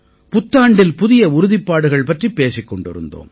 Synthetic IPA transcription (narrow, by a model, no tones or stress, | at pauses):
pʊt̪ːaːɳɖɪlpʊðɪjɐʊɾʊðɪpːaːɽɯɣɐɭpɐʈripːeːsɪkːɔɳɖɪ̰ɾɯ̰nd̪o̰ːm